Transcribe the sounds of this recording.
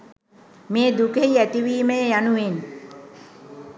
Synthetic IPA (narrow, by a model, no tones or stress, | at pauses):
meːd̪ukejæt̪iʋiːmejjanuʋen